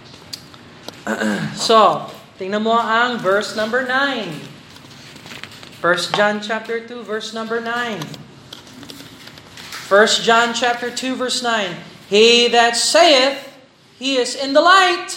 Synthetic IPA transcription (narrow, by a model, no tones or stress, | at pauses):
so | t̪ɪŋnamoʔaŋvɜ˞snʌ̃mbə˞nãɪ̃n | fɜ˞sd͡ʒãnt͡ʃæp̚t̪ə˞t̪uvɜ˞snʌ̃mbə˞nãɪ̃n | fɜ˞stʒ̥ãnt͡ʃæp̚t̪ə˞tʰuvɜ˞snãɪ̃n | hiðɨtseɪɪθ | hiɪzɪ̃nðəlaɪt̪̚